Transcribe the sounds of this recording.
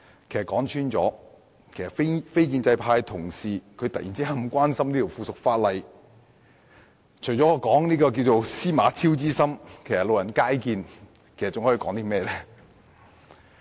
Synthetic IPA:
kʰe˨˩js̚kːɔː˨˥ŋt͡ʃʰyː˥nt͡ʃɔ̰ː˨˥ | kʰe˨˩jsɐ˨fe˥fe˥jk̬iː˧nt͡sɐ˧jpʰaː˧jt̪ʰʊ˨˩ŋsiː˨kʰɵ˧ɥt̪ɐ˨t̚jḭː˨˩nt͡si˥ɦa˧˥m̩˨˩kʷaː˥nsɐ˥mniː˥t̪ʰi˨˩wfuː˧˩sʊ˨k̚faː˧t̚lɐ˨˧j | t͡ʃʰɵ˨˩jt͡sɔ˨˥ɔ˧kɔː˨˥ŋniː˥kɔː˧k̬iː˧wt͡so˨˧wsiː˥maː˨˧t͡sʰiː˥wt͡siː˥sɐ˥mkʰe˨˩jsɐ˨t̚lo˨wjɐ˨˩nkaː˥jkiː˧n | kʰe˨˩sɐ˨˩t͡sʊ˨ŋɔ˨˥i˧kɔː˨˥ŋt̪iː˥mɛː˥˧lɛː˥

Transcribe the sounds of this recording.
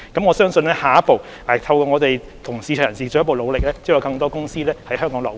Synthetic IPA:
kɐ˨˥mŋɔ˨˧sœː˥ŋsɵ˧nlɛː˥haː˨˩jɐ˥t̚po˨w | ʔɛː˨˩t̪ʰɐ˧wkɔː˧ŋɔ˨˧t̪e˨˩j | t̪ʰʊ˨˩ŋsiː˧t͡ʃʰœː˨˩jɐ˨˩nsiː˨˩t͡sːjpo˨wlo˨˧wlɪ˨k̚lɛː˥t͡si˥˨jːkɐ˧ŋt̪̬ɔː˥kʊ˥ŋsiː˥lɛː˥hɐ˨˥jɦœː˥ŋkɔː˨˥ŋlɔː˨˩w

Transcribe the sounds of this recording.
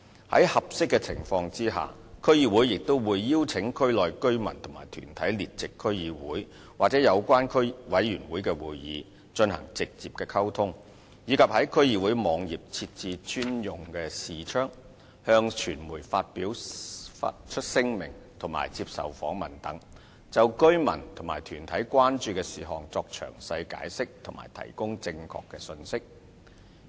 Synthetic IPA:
hɐ˨˥jhɐ˨p̚sɪ˥kːɛ˧t͡sʰɪ̰˨˩ŋfɔː˧ŋt͡siː˥ɦa̰ː˨˩ | kʰɵ˥ɥjiː˧wu˨˥jːɪ˨k̚t̪o˥wwuː˨˧jːiː˥wt͡sʰɪ˨˥ŋkʰɵ˥ɥlɔː˨jkɵ˥ɥmɐ̰˨˩nt̪ʰʊ˨˩ŋma̰ː˨˩jt̪ʰy̰ː˨˩nt̪ʰɐ˨˥jliː˨t̚t͡sɪ˨kʰːɵ˥ɥjiː˨˧wuː˨˥j | waː˨k̚t͡sɛː˨˥jɐ˨˧wkʷaː˥nkʰɵ˥ɥwɐ˨˥jːyː˨˩nwuː˨˥jkɛː˧wuː˨jːḭː˨˧ | t͡ʃɵ˧nhɐ̰˨˩ŋt͡sɪ˨k̚t͡siː˨p̚kɛː˧kʰɐ˥wt̪ʰʊ˥ŋ | jiː˨˧kʰɐ˨p̚hɐ˨˥jkʰɵ˥ɥjiː˧wuː˨˥jmɔː˨˧ŋjiː˨p̚t͡sʰi˧t̚t͡siː˧t͡ʃʰyː˥njʊ˨ŋkɛː˧siː˨t͡ʃʰœː˥ŋ | hœː˧ŋt͡ʃʰyː˨˩nmuː˨˩jfaː˧t̚piː˨˥wa̰t͡ʃʰɵ˥t̚sɪ˥ŋmɪ̰˨˩ŋt̪ʰʊ˨˩ŋma̰ː˨˩jt͡siː˧p̚sɐ̰˨˩wfɔ̰ː˨˥ŋmɐ˨nt̪ɐ˨˥ŋ | t͡sɐ˨wkɵ˥ɥmɐ̰˨˩nt̪ʰʊ˨˩maː˨˩jt̪ʰyː˨˩nt̪ʰɐ˨˥jkwaː˥nt͡ʃyː˧kɛː˧siː˨ɦɔː˨˩ŋt͡sɔː˧k̚t͡ʃʰœ̰ː˨˩ŋsɐ˧jka̰ː˨˥jsɪ˥k̚t̪ʰʊ˨˩ŋma̰ː˨˩jt̪ʰɐ̰˨˩jkʊ˥ŋt͡sɪ˧ŋkʰɔ̰ː˨˧kːɛː˧sɵ˧nsɪ˥k̚

